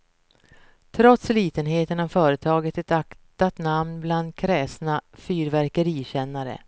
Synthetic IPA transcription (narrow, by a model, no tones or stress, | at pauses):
t̪ʰɾɔt̪sliːt̪ənɦeːt̪ənavfœːɾət̪ʰɑːɡət̪ɛt̪akt̪at̪namnbland̪̚kʰɾɛːsnafyːɾvæɾkəɾiːɕɛnːaɾə̰